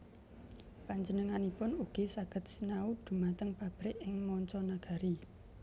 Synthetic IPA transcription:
paɲd͡ʒənəŋanipʊnuɡ̥i̤saɡ̥ə̤t̪̚sənaud̪̥ṳmat̪əŋpab̥ɾɪʔɪŋmɔɲt͡ʃɔnaɡ̥a̤ɾi

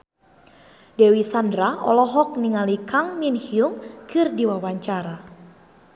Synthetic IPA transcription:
dɛwisandɾaɔ̰lɔɦɔk̚niŋalikaŋminhiuŋkɨrdiwawaɲt͡ʃaɾa

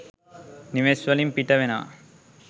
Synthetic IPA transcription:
niʋesʋɐlimpiʈɐʋena̰

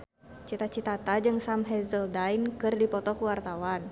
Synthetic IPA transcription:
t͡ʃit̪at͡ʃit̪at̪ad͡ʒɨŋsamɦɛzəldajnkɨrdipɔt̪ɔkuwart̪awan

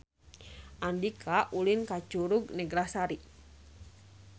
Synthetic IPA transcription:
ʔandikʰaʔulinkat͡ʃuɾuɡnɛɡɾasaɾi

